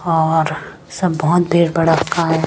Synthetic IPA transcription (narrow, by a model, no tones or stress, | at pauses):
ɔːɾ | sɐbːɔɦʊt̪bʱeːɽbɐɽəkkaɦɛ